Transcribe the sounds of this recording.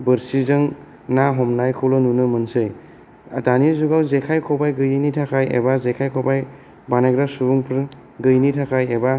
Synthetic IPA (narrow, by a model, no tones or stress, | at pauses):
bɯɾsizɯŋ | naɦɔmnajkʰɔwlɔnunɯmɐnsɯj | a̰danizuɡawzekʰajkʰɔbajɡɯjɯnitʰakʰajḛbazekʰajkʰɔbaj | baneɡɾasuɾuŋpʰɾ | ɡɯjnitʰakʰajeba